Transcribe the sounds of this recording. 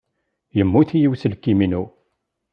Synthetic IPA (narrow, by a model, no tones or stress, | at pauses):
jəmːuθijiwsəlkːiminu